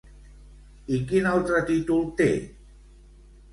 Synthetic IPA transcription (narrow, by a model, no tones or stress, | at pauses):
ikinawt̪ɾaʈiʈult̪ḛ